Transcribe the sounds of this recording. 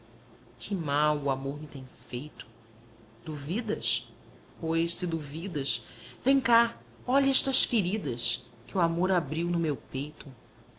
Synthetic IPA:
kʰɪmawʊamoɾmɪt̪ẽj̃fejt̪ʊ̥ | d̪̥uvid̪ɐs | pʰojʃsɪd̪uvid̪ɐsvẽj̃ka | ɔʎɛʃt̪ɐsfiɾid̪ɐs | kɪuamoɾabɾiwnʊmewpejt̪ʊ

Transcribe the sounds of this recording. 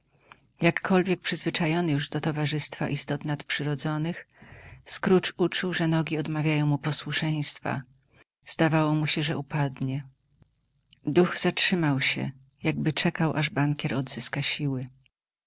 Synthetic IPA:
jakːɔlvʲjɛk̚pʂɘzvɘt͡ʂajɔnɘjuʐd̪ɔt̪ɔvaʐɘst̪fa̰ʔist̪ɔt̪nat̪pʂɘɾɔd̪zɔnɘxskɾut͡ʂut͡ʂuwʐɛnɔɡʲiɔd̪mavʲjajɔ̃w̃mupɔswuʂɛj̃st̪fa̰ | z̥d̪avawɔmuɕɛʐɛʔupad̪ɲɛ | d̪uɣzatʂɘmawɕɛ̰ | jaɡbɘt͡ʂɛkawʔaʐbaŋkʲɛɾɔd̪zɘskaɕiwɘ

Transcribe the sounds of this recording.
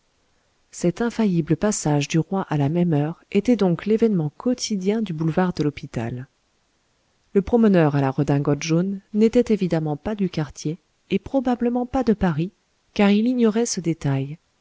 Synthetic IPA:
sɛt̪ɛ̃fajibləpasaʒd̪yʁwaʔalamɛmœʁet̪ɛd̪ɔ̃klevɛnmɑ̃kʰɔt̪ʰid̪jɛ̃d̪ybulvaʁd̪əlɔpit̪a̰l | ləpχɔmənœʁalaʁəd̪ɛ̃ɡɔt̪ʒonːet̪ɛt̪evid̪amɑ̃pad̪ykaʁt̪ʰjeː | pχɔbabləmɑ̃pad̪əpaʁi | kaʁiliɲɔʁɛsəd̪et̪aj

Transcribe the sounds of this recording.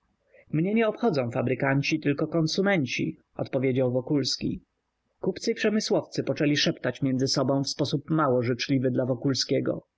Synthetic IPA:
mɲɛɲɛɔpxɔd̪zɔ̃w̃fabɾɘkaɲt͡ɕit̪ɘlkɔkɔnsumɛɲt͡ɕḭ | ɔ̰t̪pɔvʲjed͡ʑawvɔkulskʲḭ | kupt̪sɘipʂɛmɘswɔft̪sɘpɔt͡ʂɛlʲiʂɛpt̪at͡ɕmʲjɛnd̪zɘsɔbɔ̃w̃fspɔsupmawɔʐɘt͡ʂlʲivɘd̪lavɔkulskʲɛɡɔ̰

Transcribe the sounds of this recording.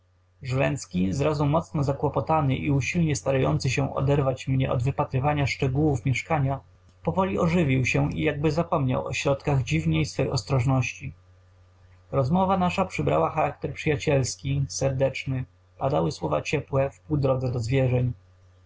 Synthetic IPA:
ʐlɛnt̪skʲizɾazumɔt̪snɔzakwɔpɔt̪anɘʔiuɕilɲɛst̪aɾajɔ̰nt̪sɘɕɛ̃ʔɔ̰d̪ɛɾvat͡ɕmɲɛ̰ʔɔ̰d̪vɘpat̪ɾɘvaɲaʂt͡ʂɛɡuwufmʲjɛʂkaɲa | pɔvɔlʲiɔʐɘvʲiwɕɛḭjaɡ̚bɘzapɔmɲa̰wɔ̰ɕɾɔt̪kaɣd͡ʑivɲejsfɛjɔst̪ɾɔʐnɔɕt͡ɕi | ɾɔzmɔvanaʂapʂɘbɾa̰waxaɾak̚t̪ɛɾpʂɘjat͡ɕɛlskʲisɛɾd̪ɛt͡ʂnɘ | pad̪awɘswɔva̰t͡ɕɛpwɛfpuwd̪ɾɔd̪zɛd̪ɔzvʲjɛʐɛɲ

